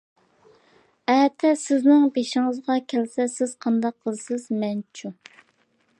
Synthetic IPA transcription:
ɛt̪ʰɛsɪznɪŋbeʃɪŋəzʁɑkʲʰɛlsɛsɪz̥qʰɑnd̪ɑqʰːəzsɪzmɛnt͡ʃʰu

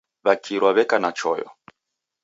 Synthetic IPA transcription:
βakʰiɾwaβɛkanat͡ʃɔjɔ̰

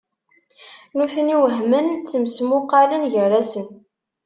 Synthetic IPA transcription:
nuθəniwəɦmənt͡sːəmsmʊqːalənʝərˤːæsən

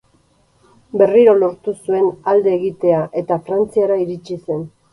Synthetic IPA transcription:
be̞riɾo̞lo̞ɾt̪usue̞nald̪e̞ːɣit̪e̞aʔe̞t̪afɾant͡siaɾaiɾit͡ʃise̞n

